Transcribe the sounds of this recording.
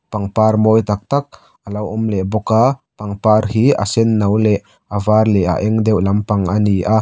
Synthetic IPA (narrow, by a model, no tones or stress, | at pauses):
pɐŋparmojt̪ɐk̚t̪ak̚ | ʔalɐwʔʊmlɛbɔkapɐŋpaɾhia̰sɛnːɐwlɛʔ | ʔavarlɛʔa̰ʔɛŋd̪ɛwlɐmpɐŋʔaniʔa